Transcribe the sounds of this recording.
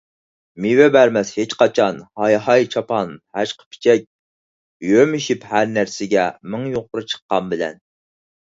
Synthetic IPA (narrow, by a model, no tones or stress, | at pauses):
miwɛbæɾmɛshet͡ʃqɑt͡ʃʰɑnhɑjɦɑjt͡ʃʰɑpʰɑnhæʃqʰə̥pʰi̥t͡ʃʰɛk̚ʲ | jømiʃiphæɾnæɾsɪɡʲɛmɪŋjoq̚ʊɾɨt͡ʃʰə̥qːɑmbɪlɛ̰n